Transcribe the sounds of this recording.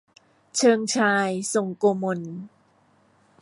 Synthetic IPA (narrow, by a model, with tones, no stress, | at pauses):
t͡ɕʰɤː˧ŋt͡ɕʰaː˧jso˨˩ŋkoː˧mo˧n